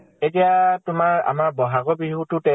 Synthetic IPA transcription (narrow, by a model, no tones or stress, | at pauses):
etijatʊmaɹa̰maɹbɔɦaɡɔbiɦutʊtɛ